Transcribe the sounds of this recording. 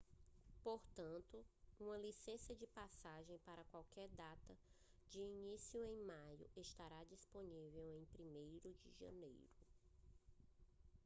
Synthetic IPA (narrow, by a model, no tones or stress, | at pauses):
poɾt̪ɐ̃nt̪ʊũmɐlisẽsɐd͡ʒɪpasaʒẽj̃paɾɐkwawkɛɾd̪at̪ɐ | d͡ʒɪinisiʊẽj̃majʊ̰est̪aɾad͡ʒisponivewẽj̃pɾimejɾʊd͡ʒɪ̰ʒɐ̰̃nḛjɾʊ